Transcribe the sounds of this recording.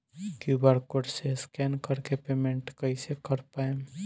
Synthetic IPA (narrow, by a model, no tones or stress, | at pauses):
kjubəɾkoɽseskɛnkəɾkepemẽɳʈkəisekəɾpae